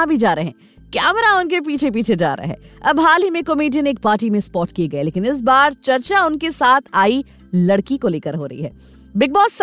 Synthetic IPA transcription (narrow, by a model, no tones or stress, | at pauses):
abʱid͡ʒaːɾɐɦɛ̰̃ː | kɛːmɾaʊnkep̬iːt͡ʃʰep̬iːt͡ʃʰed͡ʒa̰ːɾa̰ɦɛ̰ːɐbɦaːlimẽkɐmiːʈ̬iəneːk̚paːɾʈimẽspɔːʈkieɡɐeleːkɪnɪs̬baːɾt͡ʃɐɾt͡ʃaʊnkesaːt̪ʰaːi | lɐɽkikoleːkəɾɦoːɾɐ̰ɦḭɦɛː | bɪk̚bɔːs